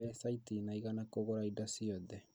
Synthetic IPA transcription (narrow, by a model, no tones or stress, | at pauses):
ɛsaitinaiɣanakoɣoɾaidasiɔðɛ